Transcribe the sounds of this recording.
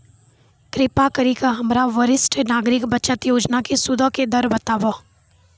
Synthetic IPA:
kɾɪpakəɾikaɦɐmɾaʋəɾɪsʈnaːɡɾɪkbɐt͡ʃət̪joːd͡ʒnakesʊd̪ʱəked̪ɐɾbət̪aːʋa

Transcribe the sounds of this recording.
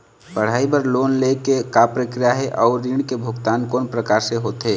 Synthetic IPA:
pəɽ̤aːibəɾloːnlekekapɾəkɾijaɦɛʔɔːɾːiɳkebʱʊɡt̪aːnkoːnpɾəkaːɾseɦoːt̪ɦeː

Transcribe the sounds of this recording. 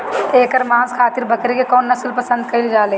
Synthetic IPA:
eːkəɾmãːzkʰaːt̪ɪɾbʱɐkɾekekɔːnːɐslpɐsə̃nd̪kɐɪld͡ʒaːleː

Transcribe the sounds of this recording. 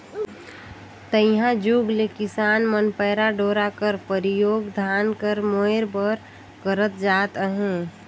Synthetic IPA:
t̪əjɦãd͡ʒuɡlekɪsaːnmənpəːɾaɖoːɾakəɾpəɾijoːɡd̪ʱaːnkəɾmoeɾbəɾ | kəɾət̪̚d͡ʒaːt̪əɦẽ

